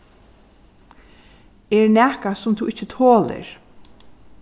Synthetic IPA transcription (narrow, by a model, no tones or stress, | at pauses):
ɛɹnæːhkasʊmt̪ʰuʔɪt͡ʃːɪt̪ʰoːlɪ̰ɹ